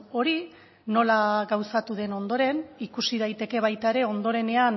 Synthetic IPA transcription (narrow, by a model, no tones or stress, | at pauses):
o̞ɾi | no̞laɡawsat̪uð̞e̞no̞nd̪o̞ɾe̞nikusiðajt̪e̞ke̞β̞ajt̪aeɾe̞o̞nd̪o̞ɾe̞ne̞an